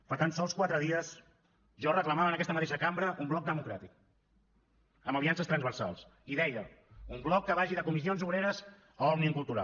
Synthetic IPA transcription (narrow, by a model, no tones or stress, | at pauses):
pəɾt̪ansɔlˠskwat̪ɾəðiəs | ʒɔrəkləmaβənəkɛst̪əmət̪eʃəkambɾəʔumblɔk̚d̪əmukɾat̪ik | əməβiansəst̪ɾənzβəɾsa̰lˠsiðɛjəumblɔkːəβaʒiðəkumizionzuβɾeɾəz | əɔɣniəŋkulˠt̪uɾa̰